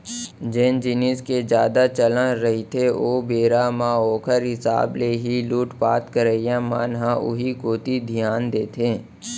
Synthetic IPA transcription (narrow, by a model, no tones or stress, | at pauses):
d͡ʒeːnd͡ʒɪnisked͡ʒjaːd̪at͡ʃələ̃nɾəɦit̪ʰeoːbeːɾamãoːkʰəɾɦɪsa̰ːbleɦiluːʈpa̰ːt̪kəɾəjãma̰ːnɦãʔʊ̰ɦikoːt̪id̪ʱijaːnd̪eːt̪ʰẽː